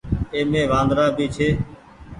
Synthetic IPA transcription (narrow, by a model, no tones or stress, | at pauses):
eːmẽːʋãːnd̪ɾaːbiːt͡ʃʰeː